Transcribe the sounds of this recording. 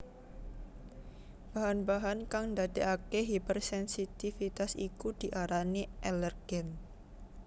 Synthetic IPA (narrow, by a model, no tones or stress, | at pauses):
b̥aɦanbaɦankaŋnd̪ad̪eʔakeɦipərsɛnsit̪ifit̪asikud̪̥i̤ʔaɾaniʔɛlərɡ̥ɛn